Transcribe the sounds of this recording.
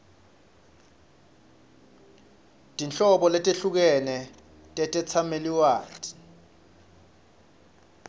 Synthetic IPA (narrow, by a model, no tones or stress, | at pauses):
tʼint͡ɬʼɔɓɔlɛtʼeɬuk̬ɛnɛ | tʼɛtʼɛt͡sʰameliwaːtʰʼi̥